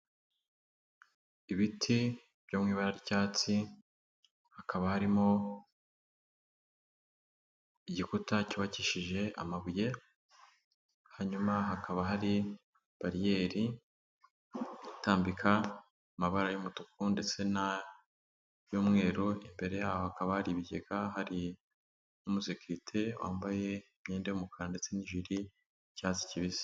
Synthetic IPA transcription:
iβitʰi | β̥jomŋiːβaɾaɾicaːt͡si | hakʰaβahaɾimo̞ | iɟikutacuβaciʃiʒe̞ʔa̰maβuje̞ | haɲumaɦakʰaβaɦaɾi | b̥aɾije̞ːɾi | taːmbikʰa | maβaɾajomutukunde̞t͡se̞na | jomŋe̞ːɾoimbe̞ɾe̞jaːwohakaβahaɾiβiɟe̞ɡahaɾi | numuzekuɾitʰewʔa̰ːmbaje̞imɲeːndejumukʰaɾande̞t͡se̞niʒiɾi | caːzi̥ciβizi̥

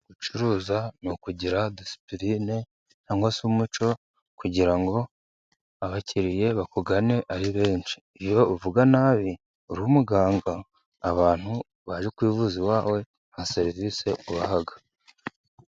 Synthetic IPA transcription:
ɡ̥ut͡ʃuɾuːzanukuɟiɾad̪isi̥pɾine̞ | n̥haːŋɡwasumut͡ʃo̞ | kuɟiɾaŋɡo̞ | aβaciɾije̞βakuɡane̞ʔaɾiβe̞ːnʃi̥ːjo̞uvuɡanaːβi | uɾuumuɡaːŋɡaː | βaːn̥hu | βaʒekwiːvuziwaːwe̞ | hase̞ɾivise̞uβaɦaɡa

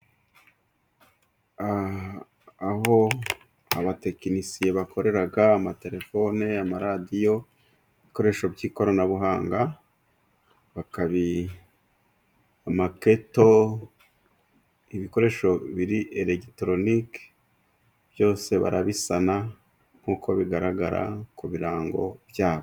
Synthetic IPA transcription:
a | aho̞ | aβate̞kinisijeβakʰo̞ɾe̞ɾaɡaːmate̞ɾe̞fo̞neamaɾadijo̞ | iβiko̞ɾe̞ʃo̞bɟiːko̞ɾanaβuɦaːŋɡa | βakaβi | amake̞to̞ | iβiko̞ɾe̞ʃo̞βiɾiʔeɾektɾo̞nik | b̥jo̞ːse̞βa̰ɾa̰βisana | ŋ̥hukʰo̞βiɡaɾaɡaɾa̰kuβiɾaːŋɡo̞̰βjaːβo

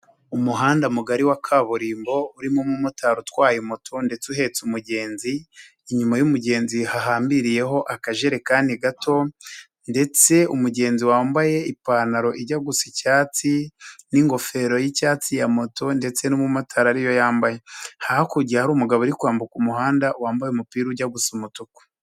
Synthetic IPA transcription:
umuɦaːndamuɡaɾiwakʰaβuɾiːmbo̞uɾimomumutaɾutwaːjimotʰonde̞t͡suɦe̞t͡sumuɟe̞ːnziː | ɲumajumuɟe̞ːnzihaɦaːmbiɾije̞ɦo̞ʔakaʒeɾe̞kaːndiɡato̞ | nde̞t͡se̞umuɟe̞ːnziwaːmbaje̞ipanaɾo̞ʔiɾɟaɡusicaːt͡siniŋɡo̞fe̞ɾo̞jicaːt͡sijamo̞to̞nde̞t͡se̞numumotʰaɾaɾijo̞jaːmbajehahakuɟiahaɾuːmuɡaβoɾikwaːmbukumuɦaːndawaːmbajeumupiːɾuɟaɡusumutuku̥

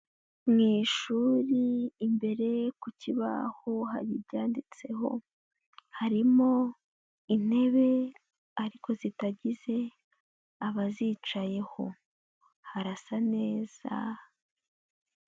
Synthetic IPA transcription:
mŋiːʃuːɾiːmbe̞ɾe̞kuciβa̰ho̞ɦa̰ɾiɾɟaːndit͡se̞ɦo̞̰ | haɾimo̞ | in̥e̞βe̞ | aɾikʰo̞zitaɟize̞ | aβazit͡ʃaje̞ho̞ | haɾasane̞ːz̥a

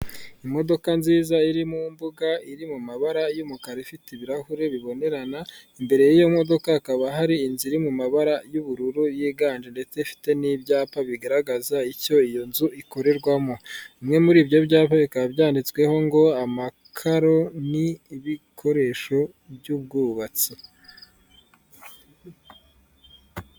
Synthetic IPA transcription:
imo̞do̞kanziːzaiɾimumbuɡaiɾimumaβaɾajumukaɾefitiβiɾahuɾe̞βiβo̞ne̞ɾanaimbe̞ɾe̞jijo̞mo̞do̞kaːkaβaɦaɾiːnziɾimumaβaɾajuβuɾuɾujiːɡaːnd͡ʒende̞t͡se̞ifi̥te̞nibjaːpaβiɡaɾaɡazaico̞ijo̞nzuʔiko̞ɾe̞ɾɡwamo̞imŋe̞muɾiːbjo̞bjaːpaβikabjaːndit͡swe̞ho̞ŋɡo̞amakʰaɾo̞niːβikʰo̞ɾe̞ʃo̞ | bjuːb̚ɡuːβat͡si

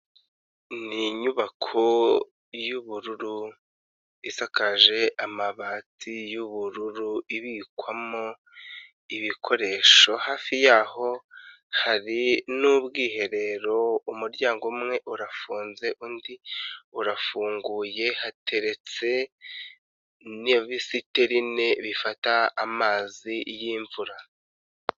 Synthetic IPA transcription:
niɲuβakʰo | juβuɾuɾu | isakaʒe̞ʔamaβaːtijuβuɾuɾuiβikwamo | iβikʰo̞ɾe̞ːʃo̞haːfijaːho̞ | haɾinubɡiːhe̞ɾe̞ɾo̞umuɾɟaːŋɡomŋe̞ʔuɾafuːnze̞ʔundiuɾafuːŋɡuːje̞hatʰe̞ɾe̞t͡se̞ | nβisite̞ɾine̞βifataːmaːzijiːɱvuɾa

